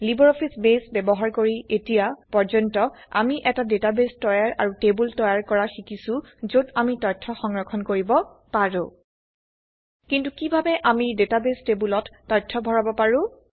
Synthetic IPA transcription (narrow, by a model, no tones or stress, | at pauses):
libɔɹɔpʰisbesbɛbɔɦaɹkoɹiʔetijapɔɹzɔntɔ | a̰miʔɛtadetabestɔjaɹʔa̰ɹutebultɔjaɹkɔɹaxikisʊ̃zodamitɔjtʰːɔxɔŋɹɔkʰɔnkoɹibɔ | paɹʊ̃ | kintukibʱabɛʔamidetabestebulɔtːɔjtʰːɔbʱɔɹabɔpaɹʊ̃